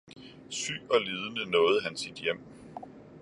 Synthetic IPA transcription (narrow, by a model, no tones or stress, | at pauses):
sy̰ːɒ̽liːð̞ˠənənɔ̽ːð̞̩ˠɦænsid̥jem̰